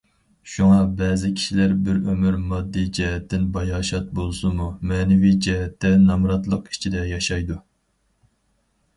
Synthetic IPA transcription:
ʃuŋɑbɛːzɪkʲʰi̥ʃilæɾbɪɾømyɾmɑd̪ːid͡ʒɛɦɛt̪ːɪnbɑjɑːʃɑt̪̚bolˠsumumɛːnɪvid͡ʒɛɦɛt̪ʰːɛnɑmɾɑt̪lˠəqi̥t͡ʃʰid̪ɛjɑʃɑjd̪u

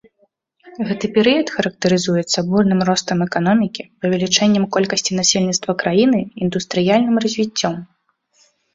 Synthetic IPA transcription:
ɣɛt̪ɨpʲɛɾɨjɐt̪xɐɾɐk̚t̪ɐɾɨzujɛt̪sːɐburnɨmrɔst̪ɐmɛkanɔmʲikʲipɐvʲɛlʲit͡ʂɛnʲːɐmkɔlʲkɐsʲt͡sʲin̪asʲelʲnʲit̪st̪vɐkɾajin̪ɨind̪ust̪ɾɨjalʲnɨmrɐzʲvʲit͡sʲːɔm

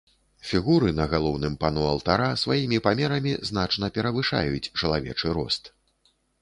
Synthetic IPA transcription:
fʲiɣuɾɨnɐɣalˠɔwnɨmpanɔɐlˠt̪aɾasvajimʲipamʲɛɾɐmʲizn̪at͡ʂnɐpʲɛɾɐvɨʂa̰jut͡sʲt͡ʂɐlˠavʲɛ̰t͡ʂɨɾɔ̰st̪

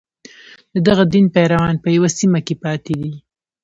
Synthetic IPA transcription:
d̪əd̪aɣad̪inpɛɾawɑnpəjawasimakepɑt̪ed̪i

